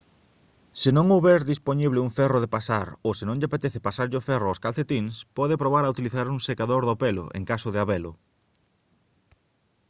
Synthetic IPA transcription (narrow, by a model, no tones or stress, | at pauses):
sɪnõŋoβɛɾðisponiβlɪuŋfɛroðepasaɾosɪnõŋʎapet̪eθepasaɾʎofɛrʊoskalθet̪iŋspɔðɪpɾoβ̞aɾaut̪iliθaɾuŋsekaðoɾðopelo̰ʔḛŋkasʊðɪaβɛlʊ̰